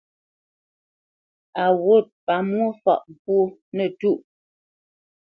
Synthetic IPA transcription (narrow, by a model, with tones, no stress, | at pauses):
a˨wo˦˨t̚pa˨mwo˦fɔ̰˦˨ʔpwo˦nə˨tu˦˨ʔ